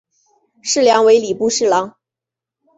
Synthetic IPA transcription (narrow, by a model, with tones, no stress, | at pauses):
ʂɻ̩˥˩ljɑ˧˥ŋwe˧˥ɪli˨˩pu˥˧ʂɻ̩˥˩lɑ˧˥ŋ